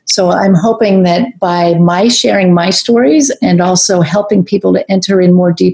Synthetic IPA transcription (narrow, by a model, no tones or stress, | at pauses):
soʊã̰ɪ̃mɦoʊpɪ̃ŋðɨt̚b̥aɪmaɪʃɛɹɪ̃ŋmaɪstɔɹizɨ̃nɔlˠsoʊɦɛlˠpɪ̃ŋpʰipl̩ˠtɨʔɛ̃ntʰə˞ɨ̃nmɔɹdip